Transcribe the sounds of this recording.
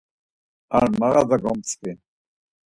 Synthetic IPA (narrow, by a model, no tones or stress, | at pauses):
a̰ɾmaɣad̪aɡɔmt͡skin